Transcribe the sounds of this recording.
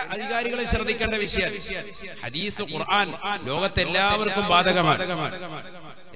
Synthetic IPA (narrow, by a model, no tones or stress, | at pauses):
ʔɐd̪ʱiɣaːɾiɣɐɭeɕrɐd̪ʱːikʲːeːɳɖɐʋiʂɐjɐ | hɐ̰d̪iːsɨqurʔaːnlo̞ːɣɐt̪ːelːaːʋɐrkːumbaːd̪ʱɐɣɐma̰ːɳɣɐmaːɳɨ